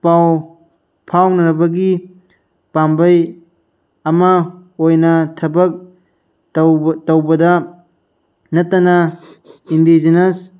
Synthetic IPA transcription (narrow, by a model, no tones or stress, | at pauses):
paw | pʰawnɐɾɐbɐɡi | pambɐj | ɐmɐojnɐtʰɐbɐk̚ | tɐwbɐdɐ | nɐtːɐnɐ | indizenɐs